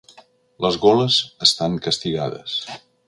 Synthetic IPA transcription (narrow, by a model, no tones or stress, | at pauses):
ləzɣoləzəst̪aŋkəst̪iɣa̰ðə̰s